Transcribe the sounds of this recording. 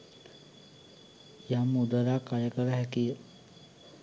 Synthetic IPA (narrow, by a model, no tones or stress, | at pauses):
jamːud̪əlakajəkəɾəɦækijə